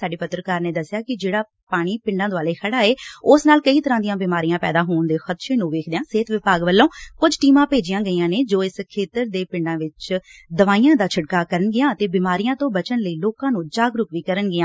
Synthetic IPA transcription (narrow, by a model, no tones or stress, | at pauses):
saːɖeːpət̪ːɾəkaːɾneːd̪əsːɪjaːkɪd͡ʒeːɽaː | paːɽ̃iːpɪ̃ɳɖãːd̪aːleːkʰəɽaːeːʊsnaːlkəiːt̪əɾãːd̪ijãːbɪːmaːɾijãːpɛ̰ːd̪aːɦoːɳd̪eːxət̪ʃeːnũːʋeːkʰd̪ejãːseːt̪ʋɪpaːɡʋəlːõːkʊd͡ʒʈiːmãːpeːd͡ʒɪjãːɡəiːãːneːd͡ʒoːɪskʰeːt̪əɾd̪eːpɪɳɖãːʋɪt͡ʃd̪əʋaːijãːd̪aːt͡ʃʰəɖkaːkəɾənɡɪjãːət̪eːbɪmaːɾijãːt̪õːbət͡ʃənləiːloːkãːnũːd͡ʒaːɡɾʊkʋiːkəɾənɡɪãː